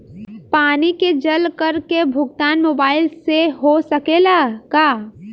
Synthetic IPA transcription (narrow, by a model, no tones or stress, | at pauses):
paːniked͡ʒɐlkɐɾkebʱʊɡ̚t̪aːnmoːbaːɪlseɦosɐkeːlaːkaː